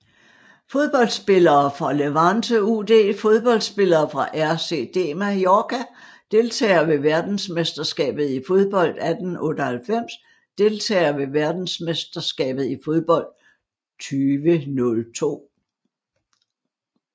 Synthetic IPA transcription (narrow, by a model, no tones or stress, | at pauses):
fo̝ð̞ˠb̥ɒ̽l̰d̥sb̥e̝lɐːfʁɑ̈leʋɑnsəude̝̰ːfo̝ð̞ˠb̥ɒ̽l̰d̥sb̥e̝lɐːfʁɑ̈ʔæɐse̝̰d̥e̝̰ːmæjɒːkʰæ | d̥e̝lt͡sʰɛ̰ːɪɐʋe̝ʋæɐd̥n̩smesd̥ɐsɡ̥ɛ̰ːb̥ð̩ˠifo̝ðˠb̥ɒ̽l̰d̥æd̥n̩ʔɔ̽ːd̥əhælfem̰s | d̥e̝lt͡sʰɛ̰ːɐʋe̝ʋæɐd̥n̩smesd̥ɐsɡ̥ɛ̰ːb̥ð̞̩ˠifo̝ðˠb̥ɒ̽l̰d̥̚ | t͡sʰyːʋənɔ̽lt͡sʰo̝̰ː